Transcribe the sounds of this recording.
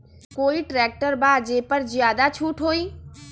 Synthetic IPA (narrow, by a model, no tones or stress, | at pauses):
koːiʈɾɛːk̚ʈəɾbaːd͡ʒeːpəɾzjaːd̪at͡ʃʰuːʈɦoːiː